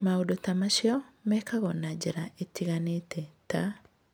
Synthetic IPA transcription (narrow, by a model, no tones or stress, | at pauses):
maodotamaʃɪɔmɛkʰaɣɔnad͡ʒɛɾaetiɣanetʰɛta